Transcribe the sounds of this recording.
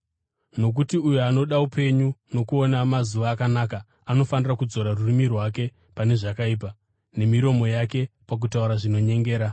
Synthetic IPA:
no̞k̬utiujoano̞ɗaupʰe̞ɲuno̞kuo̞namazuʋaːkanaka | ano̞fanirakud͡zo̞ɾarurimirwake̞ | pane̞ʐakaiːp̬a | ne̞miɾo̞mo̞jake̞pak̬utauɾaʐino̞ɲe̞ŋɡe̞ːɾa

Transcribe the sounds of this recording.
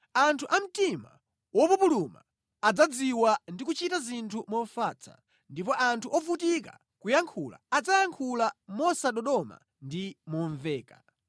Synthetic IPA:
antʰuʔam̩tima̰ | wɔpupuluma̰ː | d͡zad͡ziwandikut͡ʃitazintʰumɔfat͡sʰa̰ | ndip̬ɔʔantʰuʔɔfutika̰ | kujaŋkʰula̰ːd͡zajaŋkʰulamɔsaɗɔɗɔma̰ | ndimɔɱvɛːka

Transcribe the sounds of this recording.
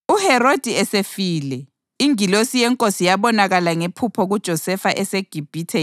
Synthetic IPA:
uhɛrod̥ʱiɛsefiːlɛ | iŋilosijɛŋkʼosijaβɔnaɣalaŋepʰupʰɔɣud̥ʒ̥ʱɔsɛfaʔɛseɡ̥ʱib̥ʱiːtʰɛ

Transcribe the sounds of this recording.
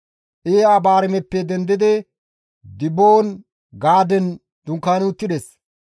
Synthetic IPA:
ʔeːabaːɾɪmɛpːɛd̪ɛnd̪ɪd̪ɪ | d̪ɪboːn | ɡaːd̪ɛn | d̪̥ʊŋkːaːnʊt̪ːɪd̪ɛs

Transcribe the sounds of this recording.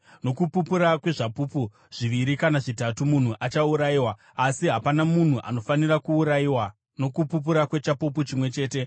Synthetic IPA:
no̞kupupuɾakwe̞ʐapupu | ʐ̥iʋiɾikanaʐitatumun̤uʔat͡ʃauɾajiwaː | siɦapanamun̤uʔa̰no̞fanirakuːɾajiwa | no̞kupup̬uɾakwe̞t͡ʃapup̬ut͡ʃimwe̞t͡ʃe̞ːte̞

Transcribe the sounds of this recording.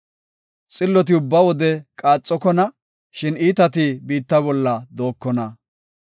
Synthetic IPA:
t͡sʼɪlːɔt̪̬ɪʊbːɐwɔd̪ɛkʼaːt͡sʼːɔkɔnɐ | ʃɪniːt̪ɐt̪ɪbiːt̪ːɐbɔlːɐd̪o̞ːkːɔnɐ

